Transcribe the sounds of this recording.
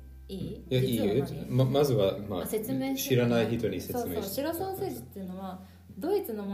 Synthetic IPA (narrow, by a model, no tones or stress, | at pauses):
iːjaiɯmamazɨβamaset͡sɨmeːɕiɾanaiçit̪o̞ɲise̞soɨme̥iɾosãñseːʑi̥t̪ːeiɯ̟noβa | d̪o̞it͡sɨnom